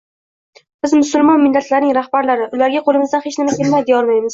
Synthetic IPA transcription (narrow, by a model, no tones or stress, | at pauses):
b̥ɪzmʊsʊlˠmɒnmɪlːat̪ʰlaɾnɪŋɾahbaɾlaɾɪʔʊlaɾɡʲaqʰolˠɪmɪzd̪anhe̞t͡ʃnɪmakʲʰe̞lmajd̪ɪjɒɾmajmɪz̥